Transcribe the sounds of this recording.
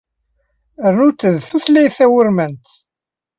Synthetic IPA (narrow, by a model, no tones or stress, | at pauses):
əɾnut͡sːəðθuθlæjθæwəɾmənt̪